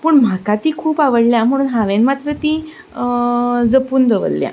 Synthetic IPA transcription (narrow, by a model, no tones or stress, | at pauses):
pəːɳm̤akat̪iːkʰuːpaʋəɽljam̤əɽ̃uːnɦaʋenmat̪ɾət̪i | d͡zəpuːnd̪əʋə̰llja̰